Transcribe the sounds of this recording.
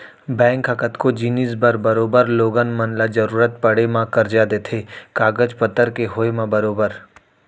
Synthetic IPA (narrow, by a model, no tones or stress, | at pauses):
bɛ̃ːŋkɐkət̪kod͡ʒiːnizbəɾbəɾoːbəɾloːɡənmənlad͡ʒəɾuːɾət̪̚pɐɽemãkɐɾd͡ʒad̪eːt̪ʰeːkaːɡəd͡ʒpət̪ːəɾkeɦoemãbɐɾoːbəɾ